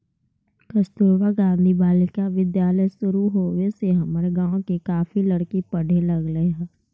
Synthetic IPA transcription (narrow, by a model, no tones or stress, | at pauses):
kəst̪uɾwaɡãːnd̪ʱibaːlɪkaʋɪd̪jaːləjsʊɾuɦoːweseɦɐmɾeɡãːõkekaːfiləɽkipəɽ̤ʱeləɡləeɦɛ̃ː